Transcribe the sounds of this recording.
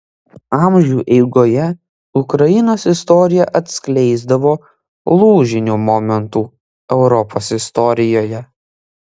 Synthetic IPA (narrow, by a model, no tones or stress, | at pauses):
ɑˑmʲʒʲuːʔɛɪɡoːjɛ | ʊkɾɐjɪnoːsɪst̪ɔɾʲɪjɛʔɐt̪ʲsʲklʲɛɪzd̪ɐʋoː | lˠuːʒʲɪnʲuːmɔmʲɛnt̪uː | ɛʊɾɔpʰoːsɪst̪ɔɾʲɪjoːjɛ